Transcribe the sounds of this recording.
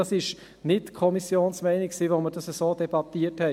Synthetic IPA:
ɑsɪʃ | nɪtkʰɔmisjoːnsmɛɪnɪksiːʋoməɾdɑsəsoːd̥ɛbɑtiəthɛ

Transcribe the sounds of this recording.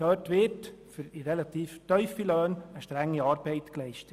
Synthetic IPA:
øːtʋɪtfyɾiɾɛlɑt̪iːftœʏfiløːnəʃtɾæŋːiɑːɾbɛɪt̪klɛɪʃtə

